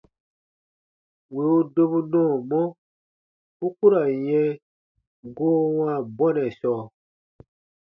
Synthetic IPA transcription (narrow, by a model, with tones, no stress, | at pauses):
we˨o˦do˦βu˦nɔ̃ː˦˨mɔ̃˦ | u˦ku˦ɾa˨jɛ̃˦ | ɡoː˦wã˦˨bɔ˦nɛ̃˨sɔː˨